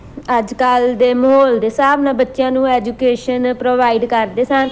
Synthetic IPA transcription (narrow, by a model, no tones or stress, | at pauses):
əd͡ʒkəld̪eːməɦoːld̪eːsaːbnãːbətːʃɪjãːnũːɛːd͡ʒuːkeːʃənpɾoːʋaːiɖkəɾd̪eːsãːn